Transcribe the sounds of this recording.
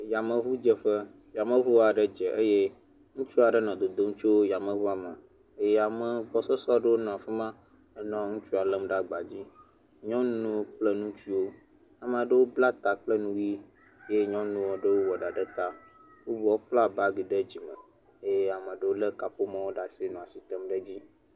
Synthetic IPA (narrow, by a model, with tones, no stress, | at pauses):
ja˨mə˨βu˦d͡ʒə˨ɸə˦ | ja˨mə̃˨βu˦a˨ɖə˦d͡ʒɛ˨ʔə˦je˦ | ŋũ˦t͡ʃu˦a˨ɖə˦nɔ̃˨d̪o˨d̪o˦ŋũ˦t͡ʃo˦wo˦ja˨mə̃˨βu˦a˨mə˨˦ | jɛ˦a˨mə˨bɔ˨sɔ˦sɔ˦ɖə˦wo˦nɔ̃˨a˨fɛ˦mã˦ | nɔ̃˦ŋũ˦t͡ʃu˦a˨lə˦mɖa˦ɡ͡ba˨d͡ʑi˦ | ɲɔ̃˦nũ˦wk͡plə˦nũ˦t͡ʃi˦wo˦ | a˨m̃˨a˨ɖə˦wo˦bla˦t̪a˨k͡plə˦nũ˦wi˦ | je˦ɲɔ̃˦nũ˦wo˦ɖə˦wo˦wɔ˨ɖa˨ɖə˦t̪a˦ | wo˦bɔ˦k͡pla˦ba˦ɡi˨ɖə˦d͡ʑi˨mə̰̃˨ | e˦jɛ˦a˨mə̃˨ɖə˦wo˦lə˦ka˨ɸo˦mã˦wo˦ɖa˨si˦nũ˨a˨si˨t̪ə˦mɖə˦d͡ʑi˦